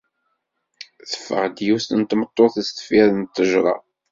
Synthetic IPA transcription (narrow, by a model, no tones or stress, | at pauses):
θə̥fːə̰ʁd̪just̪ənt̪mət̪ˤːoθəst̪ə̥fiðnt̪ːəʒɾˤɑ̰